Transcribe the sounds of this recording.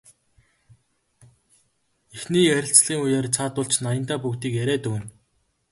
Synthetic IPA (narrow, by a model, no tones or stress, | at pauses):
exniːæɾʲɪ̆ɬt͡sɮiːŋujaːrt͡sʰaːt̪ʊɮt͡ɕnajə̆nt̪aːpukt̪iːkjæɾæːt̪uːn